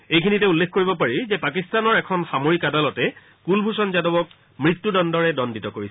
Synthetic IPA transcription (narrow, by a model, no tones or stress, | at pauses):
ejkʰinitɛulːekʰkoɹibɔpaɹizɛpakistanɔɹɛkʰɔnxamoɹikadalɔtɛ | kulbʱusɔnzadɔbɔk̚ | mɹitːudɔndɔɹɛdɔnditɔkoɹis